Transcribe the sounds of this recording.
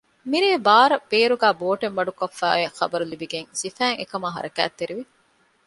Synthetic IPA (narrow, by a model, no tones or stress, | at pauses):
miɾeːbaːɾɐb̥eːɾuɡæːboːʈenʋɐɖukofːæ̰ːʋexɐ̰bɐɾulibiɡeŋsifæːŋḛkɐmaːɦɐ̰ɾɐkæ̰ːt̪ːeɾiʋi